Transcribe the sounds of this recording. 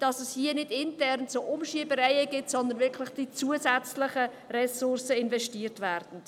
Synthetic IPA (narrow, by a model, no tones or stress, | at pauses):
d̥ɑsɛshiənɪdɪntɛɾnt͡soʔʊmʃiəbəɾɛɪəɡɪtsɔnd̪ənvɪɾkʰlɪχd̥it͡suəsɛt͡slɪχə | rɛsʊrsəɪnvɛʃtiːərtvæːrd̥n̩